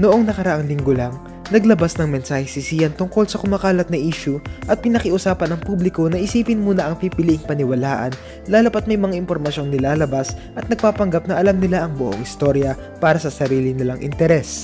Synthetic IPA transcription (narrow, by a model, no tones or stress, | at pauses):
noʔo̞ŋnɐkɐɾɐʔaŋlɪŋɡolɐŋ | nɐɡlɐbasnɐŋmɛnsaːhɪsɪsijɐnt̪ʊŋko̞lsɐkʊmakaːlɐt̪̚nɐʔiːʃʊʔɐt̪̚pɪnɐkɪʔʊsaːpɐnɐŋpublɪko̞nɐʔɪsiːpɪnmuːnɐʔɐŋpiːpɪliʔɪŋpɐnɪwɐlaːʔɐ̰n | laːlɐpɐt̪̚mɐjmɐŋaʔɪnpo̞ɾmɐʃo̞ŋnɪlaːlɐbasʔɐt̪̚nɐɡ̚paːpɐŋɡap̚nɐʔɐlamnɪlaʔɐŋbʊʔo̰ŋɪst̪o̞ɾjɐ | paːɾɐsɐsɐɾiːlɪnɪlaŋʔɪ̰nt̪ɛɾɛs